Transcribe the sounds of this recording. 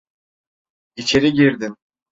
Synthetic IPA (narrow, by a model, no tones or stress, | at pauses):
it͡ʃʰe̞ɾiɟiɾd̪im